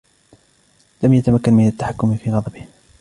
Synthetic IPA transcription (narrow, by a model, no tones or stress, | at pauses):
lamjat̪amakːanmɪnat̪ːaħakːʊmfiːɣɑd̪ˤɑbɪh